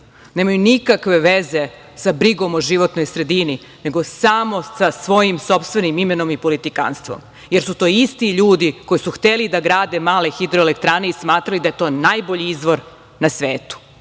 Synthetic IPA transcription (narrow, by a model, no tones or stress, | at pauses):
neːmajunikakʋe̞ʋeze̞ | sabɾiɡo̞moʒiʋo̞t̪no̞jsɾe̞d̪ini | ne̞ɡo̞samo̞sasʋo̞jimso̞pst̪ʋe̞nimimeno̞mipo̞lit̪ika̰nst̪ʋo̰m | je̞ɾsut̪o̞ːist̪iʎuːd̪iko̞jisuxt̪elid̪aɡɾaːd̪e̞maːle̞xid̪ɾoelekt̪ɾane̞ismaːt̪ɾalid̪ajet̪o̞ːnajboʎiizʋo̞ɾ | nasʋeːt̪u̥